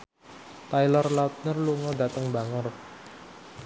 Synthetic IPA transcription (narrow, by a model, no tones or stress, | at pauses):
t̪ajlɔrlaut̪̚nərluŋɔdat̪əŋbaŋər